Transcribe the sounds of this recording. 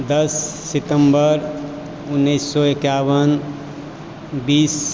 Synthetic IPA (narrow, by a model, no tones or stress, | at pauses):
d̪əsːɪt̪əmbəɾ | ʊnːəɪsːɔekawən | biːs